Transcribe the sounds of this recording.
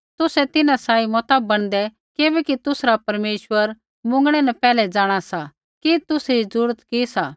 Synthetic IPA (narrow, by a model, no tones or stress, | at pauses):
t̪ʊsɛt̪ɪnãsaːimɔt̪abːɐɽ̃d̪ɛ | kɪbɛkit̪ʊsɾapɐɾmeːʃwəɾ | mʊ̃ŋɡɽ̃ɛnɐpɛːlɛd͡zaːɽ̃asa | kit̪ʊsid͡zʊɾət̪kisaː